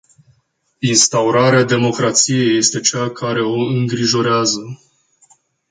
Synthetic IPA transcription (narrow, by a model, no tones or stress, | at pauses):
inst̪auɾaɾead̪e̞mo̞kɾat̪sije̞je̞st̪e̞t͡ʃakʰaɾe̞o̞ɨŋɡɾiʒo̞ɾeazə